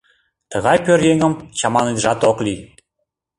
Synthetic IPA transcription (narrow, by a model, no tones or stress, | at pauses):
t̪əɣɑjpøɾjeŋə̆mt͡ɕɑmɑned̪ʒɑt̪okli